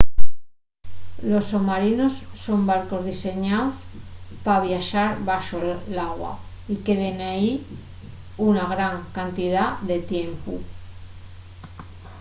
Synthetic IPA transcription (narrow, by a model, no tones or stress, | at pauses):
lo̞sːomaɾino̞sːombaɾko̞zðise̞ɲaospaβjaʃaɾβaʃolaɣwa̰ | ike̞ðe̞nai | unaɣɾaŋkant̪ið̞aðe̞t̪je̞mpu